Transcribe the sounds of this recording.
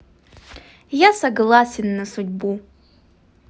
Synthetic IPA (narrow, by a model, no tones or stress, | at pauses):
jasɐɡlˠasʲenːɐsudʲbu